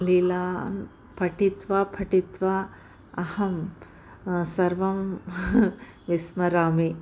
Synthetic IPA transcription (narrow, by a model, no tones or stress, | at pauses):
lilaːn | pʰɐʈit̪ʋapʰɐʈit̪ʋa | ɐhɐm | sɐɾʋɐm | ʋismɐɾaːmi